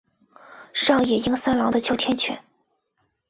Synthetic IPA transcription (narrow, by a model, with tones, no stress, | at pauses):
ʂɑ˥˧ŋjɛ˥˩i˥ŋsa˥nlɑ˧˥ŋd̪ə˧t͡ɕʰjo˧˥ʊt̪ʰjɛ˥nt͡ɕʰɥɛ̰˧˥n